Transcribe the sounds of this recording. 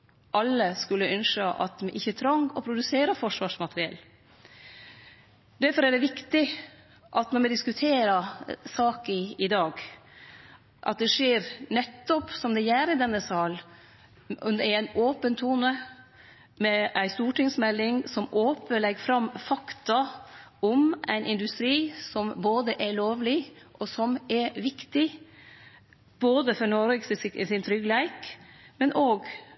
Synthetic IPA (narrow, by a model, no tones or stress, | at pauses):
ʔɑlːəskʉlːəʔœnʂəʔɑ̰t̪mɛʔɪçːət̪ʰɾɑŋːɔpʰɾʊd̪ʉseːɾəɾfɔʂʋɑːʂmɑt̪ɾɪɛ̰lː | d̪æɾfɔɾæɖɛʋɪkt̪ɪ | ʔɑt̪nɔɾmɛd̪ɪskʉt̪ʰeːɾəsɑːkəɪd̪ɑːɡ | ʔɑt̪̚d̪ɛʂeːɾnɛt̪ːɔpsɔmd̪ɛjæːɾɪd̪ɛnːəsɑːl | ɔ̰d̪ɛæɾæɪnoːpənt̪ʰuːnə | mɛæɪst̪uːʈɪŋsmɛlːɪŋsɔmoːpəlɛɡfɾɑmfɑkt̪ɑɔmʔæ̰ɪnɪnd̪ʉst̪ɾiːsɔmboːd̪əʔɛloːʋlɪʔɔsɔmɛɾʋɪkt̪ɪ | b̥oːd̪əfɔɾnɔɾssɪnt̪ʰɾʏɡlæɪkmɛnʔoːɡ